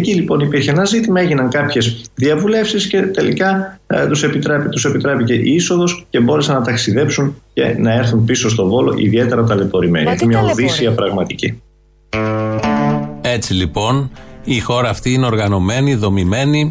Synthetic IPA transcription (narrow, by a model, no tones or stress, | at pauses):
cilipo̞nipiɾçeenɐzit̪imɐe̞ʝinɐŋkɐpçe̞sðiɐvule̞fsisce̞t̪e̞lḭkɐt̪use̞pit̪ɾept̪use̞pit̪ɾe̞pice̞ʔiso̞ðo̞sce̞bo̞ɾe̞senɐt̪ɐksiðe̞psunce̞̰nɐe̞ɾθunpiso̞s̬t̪o̞vo̞lo̞̰ʔḭðie̞t̪e̞ɾɐt̪ɐlepo̞ɾime̞̰niɐt̪imɲɐoðisiɐpɾɐɣmɐt̪ici | e̞t͡silipo̞nixo̞ɾɐːft̪iineo̞ɾɣɐno̞me̞niðo̞mime̞ni